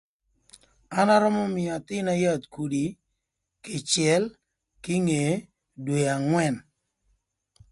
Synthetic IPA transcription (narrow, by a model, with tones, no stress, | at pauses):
a˦na˦ɾɔ˦mɔ˦mɪ˨a˨t̪ɪ˦na˦ja˦˨t̪̚ku˨di˨ | ke˨t͡ʃjɛ˨˦l | kɪ˦ŋe˨˦ | dwe˨a˨ŋwɛ˦˨n